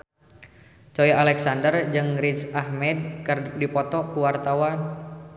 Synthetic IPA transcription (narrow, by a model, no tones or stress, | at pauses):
t͡ʃɔjalɛksandərd͡ʒɨŋrit͡ʃahmɛd̚kərdipɔt̪ɔkuwart̪awan